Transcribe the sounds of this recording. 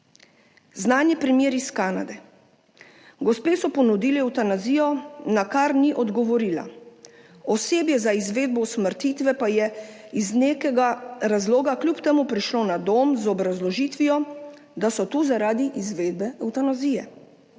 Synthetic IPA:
znaːnjɛpɾɛmjeːɾiskaːna̰d̪ɛ | ɡɔspeːsɔpɔnud̪iːliɛwt̪anaziːjɔnakaɾniʔɔd̪ɡɔʋɔɾiːla̰ | ɔseːbjɛzaizʋeːd̪̚bɔsməɾt̪iːt̪ʋɛpajɛ | izneːkɛɡaɾazloːɡaklʲupt̪emupɾiʃloːnad̪omzɔbɾazlɔʒit̪ʋijɔ | d̪asɔt̪uːzaɾaːd̪iʔizʋeːd̪̚bɛɛwt̪anaziːjɛ

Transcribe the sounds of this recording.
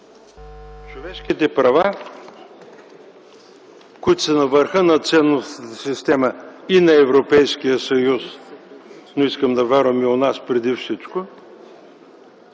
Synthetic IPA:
t͡ʃovɛʃk̟it̪ɛpɾɐva | kʊit̪ʊ̥sɛnɐvəɾxənɐt̪sɛnːost̪əsist̪ɛməinɐɛvɾopɛjskijəsɐjus | noiskəmd̪ɐvʲaɾvəmionaspɾɛd̪ifsit͡ʃko

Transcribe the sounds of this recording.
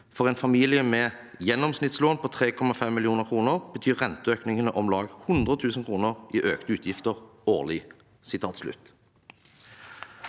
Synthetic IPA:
fɔʁɛːnfɑmiːlɪjəmɛː | jɛnːɔmsnɪt̪sloːnpʰɔt̪ʰʁeːkʰɔmɑfɛmːɪlɪuːnəʁkʰʁuːnəʁb̥ət̪ʰyːʁɛnt̪əøːknɪŋənəʔɔmlɑːɡhʊnd̪ʁət̪ʰʉːsn̩kʰʁuːnəʁʔiːʔøːkt̪əʉːt̪ʰjɪft̪əʁoːʁlɪ | sɪt̪ʰɑːt̪slʉ̰t̪ː

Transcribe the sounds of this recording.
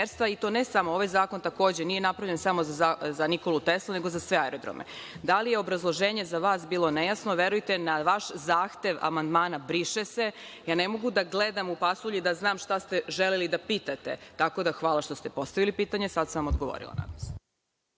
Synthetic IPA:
eɾst̪ʋait̪o̞ːnesamooʋajzaːko̞nt̪ako̞ːd͡ʑeniːjenapɾaʋʎensamo̞zaazaniko̞lut̪esloneɡo̞zasʋe̞aeɾod̪ɾo̰mʔḛ | d̪alijeobɾazlˠo̞ʒeːɲe̞zaʋaːsbiːlˠo̞nejasnoʋje̞ɾujt̪enaʋaʃzaːxt̪e̞ʋa̰mand̪maːnabɾiʃese | jaːnemo̞ɡud̪aɡled̪amupasuʎid̪aznaːmʃt̪ast̪e̞ʒelelid̪apiːt̪at̪e̞̰t̪ako̞d̪axʋaːlˠaʃt̪o̞st̪e̞po̞st̪aʋilipiːt̪aɲesad̪saʋamo̞d̪ɡoʋo̰ɾḭlˠa̰na̰d̪as

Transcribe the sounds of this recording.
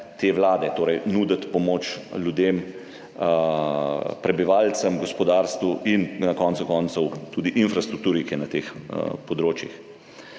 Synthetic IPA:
t̪eːʋlaːd̪ɛt̪oːɾɛjnuːd̪ət̪pɔmoːt͡ʃlʲjud̪em | pɾɛbiʋaːlt̪səmɡɔspɔd̪aːɾst̪ʋuʔinnɐkɔːnt̪sukɔːnt̪sɔwt̪uːd̪iʔinfɾast̪ɾukt̪uːɾikinɐt̪eːxpɔd̪ɾoːt͡ʃjḭx

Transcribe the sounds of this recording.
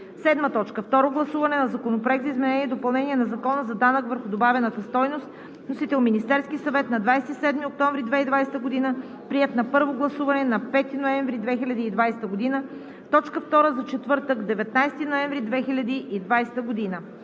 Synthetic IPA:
sɛd̪mət̪ɔt͡ʃkəft̪ɔɾoɡlˠɐsuvɐnɛnɐzɐkonopɾoɛk̪zɐizmɛnɛniɛd̪opɐlˠnɛniɛnɐzɐkɔnəzɐd̪anəkvəɾxʊd̪obavɛnət̪əst̪ɔjnost̪ | nosit̪ɛlˠminist̪ɛɾskisɐvɛt̪nɐd̪vajsɛt̪isɛd̪miok̚t̪ɔɱvɾid̪vɛid̪vajsɛ̥t̪əɡod̪inə | pɾiɛt̪nɐpɤɾvoɡlˠɐsuvɐnɛnɐpɛt̪inoɛɱvɾid̪vɛxilʲɐd̪iːd̪vajsɛ̥t̪əɡod̪inə | t̪ɔt͡ʃkəft̪ɔɾəzɐt͡ʃɛt̪vɤɾt̪əkd̪ɛvɛt̪najst̪inoɛ̃ɱvɾid̪vɛxilʲɐd̪iʔid̪vajsɛ̥t̪əɡod̪inə

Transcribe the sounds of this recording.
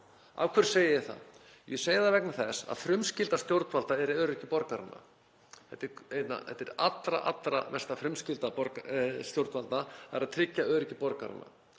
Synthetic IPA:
a̰vkʰvɛɾ̥seːjɪjɪθa̰ð | jɛseːjɪðaɾvɛknaθɛsa̰ðfɾʏmscɪlt̪ast̪jowɾt̪valt̪aɛɾɪœːɾʏcɪpɔɾkaɾanːa̰ | θɛt̪ːɪɾejt̪na̰hɛ̰t̪ːɛɾat̪ɾa̰ʔa̰t̪ɾa̰mɛ̥st̪afɾʏmscɪlt̪apɔɾkst̪jowɾt̪valt̪naaɾaðt̪ʰɾɪcːaœːɾʏcːɪpɔɾkaɾa̰nːa̰

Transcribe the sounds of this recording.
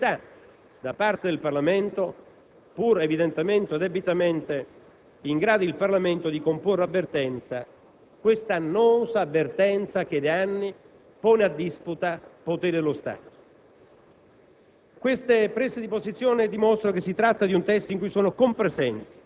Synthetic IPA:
t̪a | d̪apart̪ed̪elparlament̪o | puɾevid̪ent̪ement̪od̪ebit̪ament̪e | iŋɡɾaːd̪oilparlament̪od̪ikomporːeavːert̪ɛnt̪sa | kwest̪anːɔːzaːvːert̪ɛnt̪sak̟ed̪eanːi | pɔːnead̪ːisput̪apot̪eːɾeɪd̪elost̪a̰ːt̪o̥ | kwest̪epɾesed̪ipozit̪sːjɔːned̪imɔst̪ɾokesːit̪ɾat̪ːad̪iunt̪ɛst̪oiŋkujsoːnokompɾezɛnt̪i̥

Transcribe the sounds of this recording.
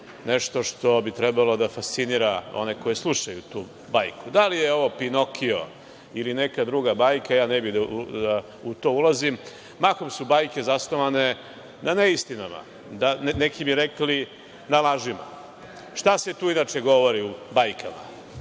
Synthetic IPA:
neʃt̪o̞ʂt̪o̞bit̪ɾɛbalo̞d̪afast̪siniːɾao̰ne̞ko̞jeslˠuʃajut̪uː | bajkud̪alijeo̞ʋo̞pino̞kʰio̰ | iline̞kad̪ɾuɡabajkajaːnebid̪aud̪a | ut̪o̞ːulˠazim | makomsubajke̞zasnoʋane | naneist̪inama̰ | d̪anekibiɾekli | nalaʒima̰ | ʃt̪aset̪uːinat͡ʃeɡo̞ʋo̞ɾiubajkama̰

